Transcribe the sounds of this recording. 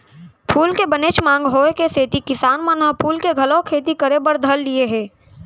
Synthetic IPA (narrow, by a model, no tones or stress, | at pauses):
pʰuːlkebəneːt͡ʃmãːŋɡɦoːekeseːt̪ikɪsaːnmãnɐɦpʰuːlkeɡʱɐlɔ̃kʰeːt̪ikəɾebəɾd̪ʱəlːieɦɛ̃ː